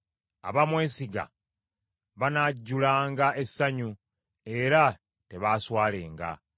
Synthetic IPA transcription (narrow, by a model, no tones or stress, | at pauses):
a̰βamwe̞ːsiɡa̰ | βanaɟːulaːŋɡaesaɲu | e̞ɾa | te̞βaːswaːle̞ːŋɡa̰